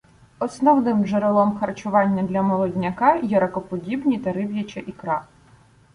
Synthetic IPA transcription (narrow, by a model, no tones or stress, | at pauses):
ɔsnɔwnɪmʒeɾelˠɔmxɐrt͡ʃʊʋɑnʲːɐd̪lʲɐmɔlˠɔdʲnʲɐkɑjɛɾɐkɔpɔdʲibnʲit̪ɐɾɪwjɐt͡ʃɛʔikɾɑ